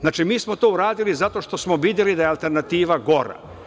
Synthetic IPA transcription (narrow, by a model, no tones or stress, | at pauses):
zaːt͡ʃimiːsmot̪oːuɾaːd̪ilizat̪o̞ʃt̪o̞smoʋiːd̪jelid̪ajealˠt̪e̞ɾnat̪iːʋaɡo̞ɾa̰